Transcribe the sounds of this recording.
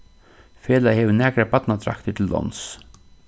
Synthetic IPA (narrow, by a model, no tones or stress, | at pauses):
feːlajhɛʋənæːkɾapat̪nat̪ʰɾa̰kt̪əʈ̪ʰɪld̪ɔ̰ns